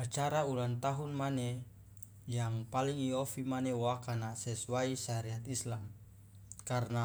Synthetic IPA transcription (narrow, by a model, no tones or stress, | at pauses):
at͡ʃaɾaulant̪aɦunmane | jaŋpaliŋiofimanewakanasɛsuaiʃaɾɛat̪islam | karna